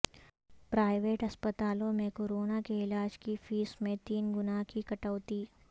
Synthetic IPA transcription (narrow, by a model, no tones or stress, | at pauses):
pɾaːɪʋeːʈɐspət̪aːlõmẽkoːɾoːnakeɪlaːd͡ʒkifiːsmẽt̪iːnɡʊnaːɦkikɐʈəːt̪iː